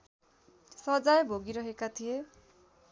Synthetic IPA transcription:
sʌd͡zajbʱoɡiɾʌɦekat̪ʰije

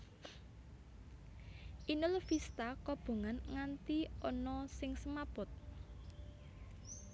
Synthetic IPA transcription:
ʔinʊlfist̪akɔb̥o̤ŋanŋant̪iɔnɔsɪŋsəmapʊt̪̚

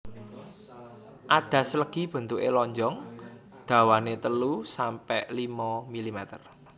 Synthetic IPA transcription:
ʔad̪̥ä̤sələɡ̥i̤b̥ə̤nt̪uʔelɔɲd͡ʒɔŋ | d̪̥ä̤wanet̪əlusampɛʔlimɔmilimɛt̪ər

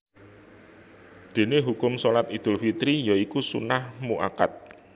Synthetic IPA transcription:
d̪̥e̤neɦukʊmsolat̪id̪̥ʊ̤lfit̪ɾijaikusṵnahmuʔaka̰t̪̚

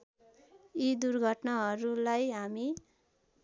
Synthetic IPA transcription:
id̪urɡʱʌʈnaɦʌɾulajɦami

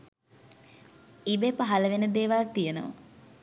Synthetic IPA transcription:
ibepaɦaləʋenəd̪eːʋalt̪ijənə̰ʋə̰

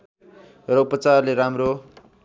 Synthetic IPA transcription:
rʌupʌt͡sarleɾamro

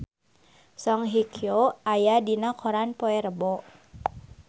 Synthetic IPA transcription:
sɔŋɦikʰjoajadinakʰɔɾanpɔɛɾəbɔʔ

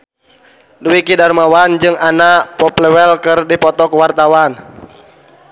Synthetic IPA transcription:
duwikidarmawand͡ʒɨŋanaʔpɔplɛwɛlkɨrdipɔt̪ɔkuwart̪awan

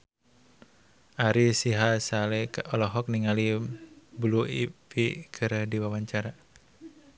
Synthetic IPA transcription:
ʔaɾisiɦasalɛkaʔɔlɔɦɔk̚niŋalibluipikʰɨɾdiwawaɲt͡ʃaɾa

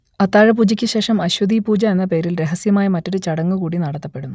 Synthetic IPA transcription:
ɐt̪ːaːɻɐp̬uːd͡ʑikʲːɨɕe̞ːʂɐmɐɕwɐd̪ʱiːpuːd͡ʑɐe̞nːɐpe̞ːɾilɾe̞ɦɐsjɐmaːjɐmɐtːo̞ɾut͡ɕɐɽɐŋːukuːɽinɐɽɐt̪ːɐpːe̞ɽunːu

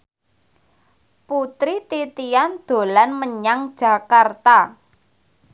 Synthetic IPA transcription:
put̪ɾit̪it̪iand̪̥o̤lanməɲaŋd̥ʒ̥a̤kart̪a

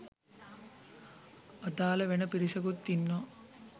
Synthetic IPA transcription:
ɐd̪aːlɐʋenɐpiɾisɐɡut̪ːinːo

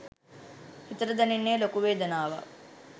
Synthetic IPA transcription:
t͡ʃit̪ɐɾɐd̪ɐninːeːlokuʋeːd̪ɐnaːʋɐ̰

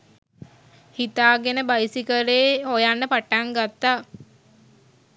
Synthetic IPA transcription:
hit̪aːɡenəbajsikəɾeːɦojanːəpaʈaŋɡat̪ːaː

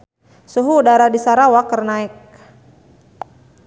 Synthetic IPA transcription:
suɦuːdaɾadisaɾawakərnaɪk̚

